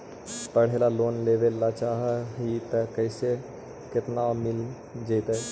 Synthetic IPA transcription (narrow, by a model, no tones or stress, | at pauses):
pəɽ̤eːlaloːnleːʋelːat͡ʃaːɦɦit̪əkəɪse | kɪt̪namɪl | d͡ʒet̪e